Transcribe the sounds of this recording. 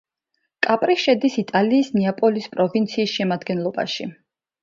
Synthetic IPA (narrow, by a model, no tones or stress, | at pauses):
kʼapʼɾiʃɛd̪isit̪ʼaliːsniapʼɔlispʼɾɔvint̪sʰiːsʃɛmad̪ɡɛnlˠɔba̰ʃi